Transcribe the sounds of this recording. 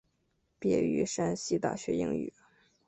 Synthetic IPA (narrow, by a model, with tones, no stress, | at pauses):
pjɛ̰˥˩y̰˥˧˩ʂa˥nɕi˥t̪a̰˥˩ɕɥɛ˧˥i˧˥ŋy̰˥˩